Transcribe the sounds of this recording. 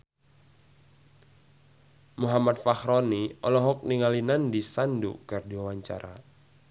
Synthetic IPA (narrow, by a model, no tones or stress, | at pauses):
muɦamat̪̚fahɾɔniɔlɔɦɔk̚niŋalinandisandṵkɨrdiwawaɲt͡ʃa̰ɾa̰